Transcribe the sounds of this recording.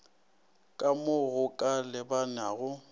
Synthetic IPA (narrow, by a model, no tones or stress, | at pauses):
kʼamʊɣʊkʼalɪbanaɣʊ